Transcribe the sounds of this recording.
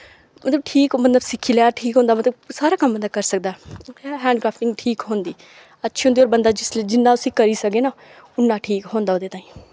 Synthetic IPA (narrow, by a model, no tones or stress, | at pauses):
mət̪ləb̚ʈʰiːkmət̪ləbsɪkʰːiːlaːʈʰiːkɦõːnd̪aːmət̪ləbsaːɾaːkəmbənd̪aːkəɾsək̚d̪aːɛɛ̃ːɦɛ̃ːɳɖkɾaːpʰʈɪ̃ŋɡʈʰiːkɦõːnd̪iː | ətːʃʰiːɦõːnd̪iːoːɾbənd̪aːd͡ʒɪsld͡ʒɪnːãːʊsĩːkəɾiːsəkeːnaː | ʊnːãːʈʰiːkɦõːnd̪aːoːd̪eːt̪ãːĩː